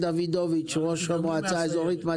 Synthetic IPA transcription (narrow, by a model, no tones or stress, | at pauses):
d̪avid̪ovit͡ʃʁoʃhamoat͡saezo̞ʁit̪ma